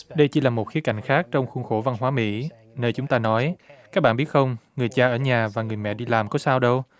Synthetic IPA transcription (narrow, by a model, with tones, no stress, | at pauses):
ɗə˧jt͡ɕi˧˦laː˨˩mo˨˩t̚xi˨˦əka˧˩jŋ̟xaː˦˥k̚t͡ɕɔ˧wŋ͡mxʊ˧ŋ͡mxo˧˩va˧nɦwaː˨˦mḭ˧˥ | nəː˧jt͡ɕʊ˨˦ŋ͡mt̪aː˧nɔ˨˦jka˦˥k̚ɓa̰˧˨ɓi˦˥t̚xə˧wŋ͡mŋɨ˨˩əjt͡ɕaː˧ʔəː˧˩ɲaː˨˩vaː˨˩ŋɨ˨˩əjmɛ̰˧˨ɗi˧laː˨˩mkɔ˨˦saː˧wɗə˧w